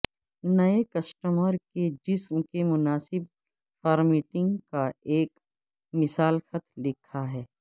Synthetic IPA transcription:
nɐekɐsʈəməɾked͡ʒɪsmkemʊnaːsɪb̚ | fɔːɾmiːʈɪ̃ŋɡkaeːk | mɪsaːlxɐt̪lɪkʰaɦɛː

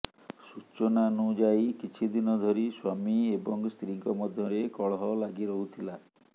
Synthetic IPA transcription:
sut͡ʃonanud͡ʒajkit͡ʃʰid̪inɔd̪ʱɔɾiswamiebɔŋst̪ɾiŋkɔmɔd̪ʱjɔɾekɔɭɦɔlaɡiɾɔɦut̪ʰila

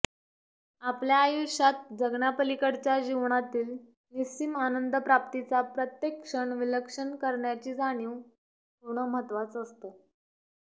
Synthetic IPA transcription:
apljaːjuɕat̪̚d͡zəɡɳapəlikəɽt͡ɕjad͡ʑiʋɳ̃at̪iːl | nist͡ɕimanənd̪ʱəpɾap̚t̪it͡sapɾət̪jekʂəɳʋiləkʂəɳkəɾɳjat͡ɕiːd͡zaɽ̃iw | puɳ̤̃əməɦət̪ʋat͡səst̪ə

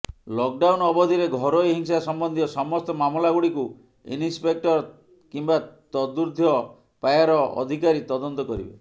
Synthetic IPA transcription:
lɔk̚ɖawnɔbɔd̪ʱiɾeɡʱɔɾojɦiŋsasɔmbɔnd̪ʱiɔsɔmɔst̪ɔmamɔlaɡuɽiku | ḭnispek̚ʈɔɾ | kimbat̪ɔd̪uɾd̪ʱijɔ | pajaɾɔʔɔ̰d̪ʱikaɾit̪ɔd̪ɔnt̪ɔkɔɾibe

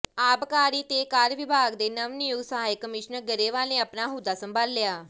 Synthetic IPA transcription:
aːbkaːɾiːt̪eːkaːɾʋɪbʱaːɡd̪eːnəʋnɪjʊɡsəɦaːɪkəmɪːʃnəɾɡəɾeːʋaːlnẽːəːpnaːɦʊd̪aːsəmbʱaːlːɪjaː

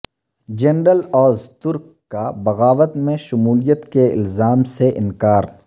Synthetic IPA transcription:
d͡ʒɐnɾəlɔːzt̪ʊɾkːabɐɣaːʋət̪mẽʃʊmuːlijət̪keɪ̰lzaːmseʔɪ̰nkaːɾ

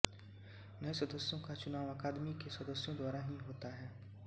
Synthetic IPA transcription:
nɐisɐd̪əsjõkat͡ʃʊnaːʋɐkaːd̪mikesɐd̪əsjõd̪waːɾaɦiɦoːt̪aɦɛː

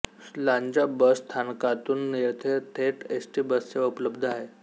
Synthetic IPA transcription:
laɲd͡ʑabəst̪ʰankãt̪uːnːiɾt̪ʰet̪ʰeʈesʈiːbəst͡seʋəpləbd̪ʱəaɦe

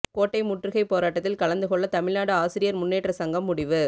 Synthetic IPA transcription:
koːʈːɐɪmʊʈrɯɣɐɪpːoːɾaːʈːɐt̪ːɪlkɐɭɐnd̪ɯɣɔɭːɐt̪ɐmɪɭnaːɽɯaːsɪɾɪjɐɾmʊnːeːʈrɐsɐŋɡɐmːʊɽɪʋɯ

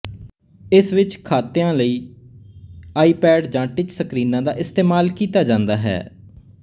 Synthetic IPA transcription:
ɪsʋɪt͡ʃkʰaːt̪ejãːləiː | aːiːpɛːɖd͡ʒãːʈɪt͡ʃsəkɾiːnãːd̪aːʔɪst̪eːmaːlkiːt̪aːd͡ʒãːnd̪aːɦɛ̰ː

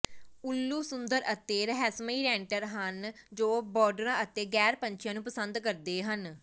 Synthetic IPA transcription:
ʊlːuːsʊnd̪əɾət̪eːɾəɦɛːsmiːɾɛ̃ːɳʈəɾɦənd͡ʒoːbɔːɖəɾãːʔət̪eːɡɛːɾpəɲt͡ʃʰjãːnũːpəsənd̪kəɾd̪eːɦən

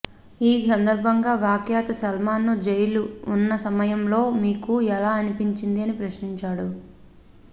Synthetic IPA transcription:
iːsɐnd̪ɐɾbʱɐŋɡaːʋjaːkjaːt̪ɐsɐlmaːnːud͡ʒejluːnːɐsɐmɐjɐmlo̞ːmiːkuɛlaːɐnipiɲt͡ʃind̪iɐnipɾɐʃniɲt͡ʃaːɽu

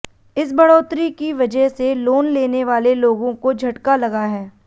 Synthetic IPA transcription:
ɪs̬bɐɽoːt̪ɾikiʋɐd͡ʒəɦseloːnleːneʋaːleloːɡõkod͡ʒʱɐʈkalɐɡaɦɛː

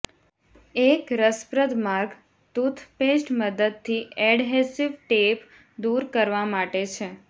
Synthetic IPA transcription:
ekɾəspɾəd̪maɾɡ | t̪ut̪ʰpesʈməd̪əd̪̚t̪ʰiɛɖɦesiʋʈep | d̪uɾkəɾʋamaʈet͡ʃʰe

